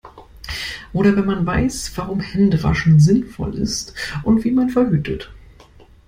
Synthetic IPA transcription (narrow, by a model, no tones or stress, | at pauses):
ʔoːɾɐvɛnmanvaɪsv̥aʁʊmhɛndəva̰ʃn̩zɪnfɔ̰lɪ̰stʔʊntv̥iːmanfɛɐɦyːtʰət